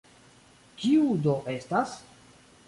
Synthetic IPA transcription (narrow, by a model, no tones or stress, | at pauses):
kiudoʔe̞stas